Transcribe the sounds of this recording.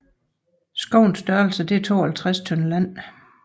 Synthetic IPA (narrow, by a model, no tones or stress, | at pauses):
sɡ̥ɔ̽ʊnsd̥ɶɐl̩səd̥e̝æɐt͡sʰo̝̰ːhælt͡sʰʁast͡sʰɔnəlæn̰